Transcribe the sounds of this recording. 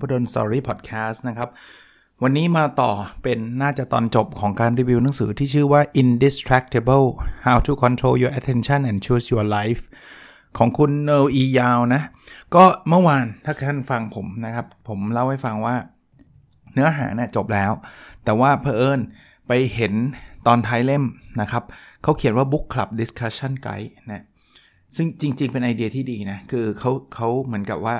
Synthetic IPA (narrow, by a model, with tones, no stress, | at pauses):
pʰɔː˥˩do˧nst̪ɔ̰ː˧ɾiː˥˩pʰɔ˨˩t̪̚kʰɛː˦˥stna˦˥kʰa˦˥p̚ | wa˧nːiː˦˥maː˧t̪ɔː˨˩pe˧nːaː˥˩t͡ɕa˨˩t̪ɔ̰ː˧nt͡ɕo˨˩p̚kʰɔː˩˦ŋkaː˧nɾiː˧wi˧wna˩˦ŋsɯ̰ː˩˦t̪ʰiː˥˩t͡ɕʰɯː˥˩waː˥˩ʔi˧ndi˨˦st̪ʰɾɛ˦˥k̚t̪ʰe˧˩bɤ˥˩haː˧wt̪ʰu˧kʰɔ˧nt̪ʰɾoː˦ljuː˧ʔɛ˧˥t̪ʰːe˧nt͡ɕʰa˥˩nʔɛ˨˩nt͡ɕʰuː˧˩sjuː˧ɐla˦˥jf | kʰɔː˩˦ŋkʰu˧nːɤː˧wʔiː˧jaː˧wna˦˥kɔː˥˩mɯ˥˩ɐwaː˧nt̪ʰaː˥˩kʰt̪ʰaː˥˩nfa˧ŋpʰo˩˦mna˦˥kʰa˦˥p̚pʰːo˩˦mla˦˥˩wha˥˩jfa˧ŋwaː˥˩ | nɯ˦˥ɐɦa̰ː˩˦ni˥˩ɐt͡ɕo˨˩p̚lɛː˦˥wt̪ɛː˨˩waː˥˩pʰaː˧ʔɤː˥˩n | pa˧jhe˩˦nt̪ɔː˧nt̪ʰaː˦˥jle˥˩mna˦˥kʰa˦˥p̚kʰa˦˥wkʰi˩˦nwaː˥˩bu˦˥kʰːla̰˨˩p̚di˦˥skʰa˦˥t͡ɕʰːa˥˩nka̰˦˥jna˦˥ | sɯ˥˩ŋt͡ɕi˧ŋt͡ɕi˧ŋpe˧nʔa˧jdi˧ɐt̪ʰiː˥˩diː˧na˦˥kʰɯː˧kʰa˦˥wkʰa˦˥wmɯ˩˦ənka˨˩p̚waː˥˩